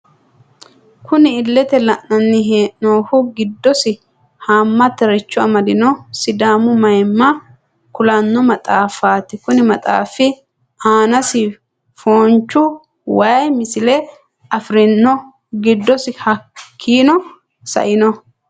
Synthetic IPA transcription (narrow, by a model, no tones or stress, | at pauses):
kʊnɪːlːɛt̪ɛlɐʔnɐnːɪɦeːʔnoːhʊɡɪd̪ːɔsɪ | haːmːɐt̪ɛɾɛt͡ʃːʊɐmɐd̪ɪnɔsɪd̪aːmʊmɐjmːɐ | kʊlɐnːɔmɐt̪ʼaːfaːt̪ɪkʊnɪmɐt̪ʼa̰ːfɪ | aːnɐsɪ | foːnt͡ʃːʊ | wajmɪsɪlɛ | ɐfɾɪnːɔ | ɡɪd̪ːɔsɪhɐkkʰːiːnɔ | sɐ̰ʔɪnɔ